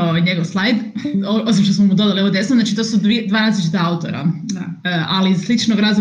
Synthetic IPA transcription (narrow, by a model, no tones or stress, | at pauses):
oɲe̞ɡoʋslˠajd̪oos̬imʃt̪osmomud̪od̪aliood̪jesnoznat͡ʃit̪oːsud̪id̪ʋaːɾaːzlit͡ʃit̪aaut̪o̞̰ɾa̰ | əʔaliːzslit͡ʃnoɡɾazu